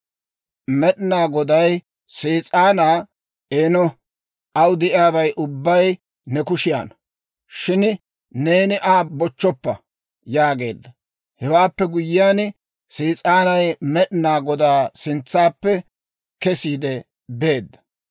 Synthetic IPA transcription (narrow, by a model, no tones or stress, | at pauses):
mɛɗɪnaːɡɔd̪ɐj | siːt͡sʼaːnaː | ʔeːnɔ | ʔɐwd̪ɛʔɪjaːbɐjʔʊbːɐj | nɛkʊʃɪja̰ːnɐ | ʃɪn | neːnɪʔaːbɔt͡ʃːɔpːɐ | jaːɡe̞̰ːd̪ːɐ | hɛwaːpːɛɡʊjɪjaːn | siːt͡sʼaːnɐjmɛɗɪnaːɡɔd̪aːsɪnt͡sːaːpːɛ | kɛsiːd̪ɛ | be̞ːd̪ːɐ̥